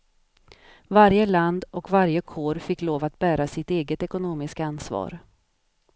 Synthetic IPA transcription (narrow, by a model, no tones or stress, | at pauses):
vaɾjəland̪ɔkvaɾjəkʰoːɾfɪkːloːvat̪bæːɾasɪt̪eːɡət̪ɛkʊnoːmɪskansvɑ̰ːɾ